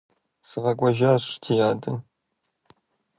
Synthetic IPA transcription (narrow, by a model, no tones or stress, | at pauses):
sɨʁɐkʷʼɔʒaːtʰijaːdɨn